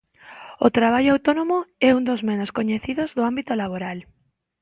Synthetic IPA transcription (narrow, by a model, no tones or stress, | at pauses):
ot̪ɾaβ̞aʎoawt̪onomoɛund̪ozmenoskoɲeθiðozðʊambit̪olaβ̞oɾal